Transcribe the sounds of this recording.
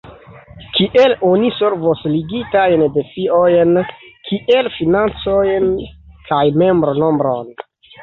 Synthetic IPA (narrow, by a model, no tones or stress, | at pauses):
kiʔe̞lo̞nise̞ɾvosliɡitajnde̞fiojnkʰiʔe̞lfinant͡so̞jnkajme̞mbɾono̞mbɾo̞̰n